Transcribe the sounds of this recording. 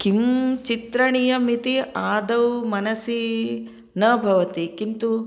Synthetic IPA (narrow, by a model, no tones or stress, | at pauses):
kimt͡ʃit̪ɾɐɳijɐmit̪iaːd̪ɐʋmɐnɐsi | nɐbʱɐʋɐt̪ikint̪u